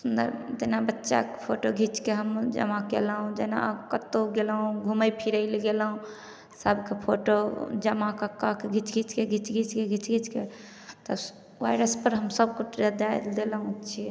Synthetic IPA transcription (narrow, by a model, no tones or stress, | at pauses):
sund̪ə̰ɾt̪enabətːʃa̰kepʰoʈoɡʱit͡ʃkeɦəmd͡ʒə̰makelɦũd͡ʒena̰kət̪ːoɡelɦũɡʱuməjpʰiɾəɪlɡelɦũ | səbkepʰoʈod͡ʒəmakakːakeɡʱit͡ʃɡʱit͡ʃkeɡʱit͡ʃɡʱit͡ʃkeɡʱit͡ʃɡʱit͡ʃke | t̪ə | ʋaiɾəspəɾɦəmsəb̚kuɾəd̪ajld̪elɦũt͡ʃʰi